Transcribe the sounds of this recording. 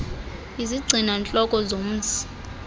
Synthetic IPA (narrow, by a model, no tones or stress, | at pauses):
iziɡ͡ǀʱinant͡ɬʼɔkʼɔzom̩ːzi̥